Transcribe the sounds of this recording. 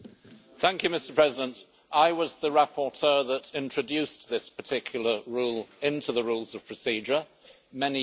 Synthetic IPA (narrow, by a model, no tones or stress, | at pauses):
θæ̃ŋkʰjʉmɪstə˞pʰɹ̥ɛzɪdə̃nt | ʔaɪwʌzðəɹæpʰətʰɜ˞ðəɾɪ̃nt͡ʃɹ̥əd͡ʒʉˑsðɪspətʰɪkʰjl̩ˠə˞ɹulˠɪ̃ntʰʉðəɹulˠzʌv̥pʰɹ̥əsid͡ʒə | mɛni